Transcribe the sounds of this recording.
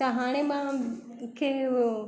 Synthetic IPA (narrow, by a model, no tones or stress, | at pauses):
aɦaːɽ̃ẽmã | kʰe